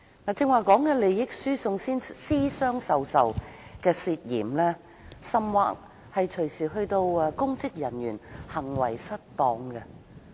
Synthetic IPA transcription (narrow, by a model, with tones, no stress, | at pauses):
ŋaː˨t͡sɪ˧ŋwaː˨kɔː˨˥ŋkɛː˧le˨jjɪ˥k̚syː˥sʊ˧ŋsiː˥nsiː˥sœː˥ŋsɐ˨wsɐ̰˨wkɛː˧siː˧t̚jḭː˨˩mlɛː˥ | sɐ˨˧mwa̰ː˧k̚ | hɐ˨jt͡ʃʰɵ˨˩ɥsiː˨˩ɦɵ˧ɥt̪o˧wkʊ˥ŋt͡sɪ˥k̚jɐ˨˩njyː˨˩nhɐ˨˩ŋwɐ̰˨˩jsɐ˥t̚t̪ɔː˨˥ŋɡɐ˧